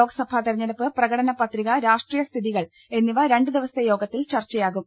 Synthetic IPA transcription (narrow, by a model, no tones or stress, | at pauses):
o̞ːɡɐsɐbʱaːt̪ɐɾiɲːɐnɐpːɨprɐɣɐɽɐnɐpɐt̪riɣɐɾaːʂʈriːjɐst̪ʰiðiɣɐɭ | e̞nːiʋɐɾe̞ɳɖɨd̪iʋɐst̪ejo̞ːɡɐt̪ːilt͡ɕɐrt͡ɕːɐjaːɣum